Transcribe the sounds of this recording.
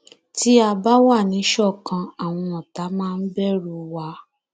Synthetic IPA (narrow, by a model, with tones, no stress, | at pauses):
ti˦a˧ba˦wa˦˨nĩ˨˦ʃɔ˦˨kã˧a˨w̃ɔ̃˧ɔ˨ta˨˦mãː˦˧n̩˦bɛ˦˨ɾo˧wa˦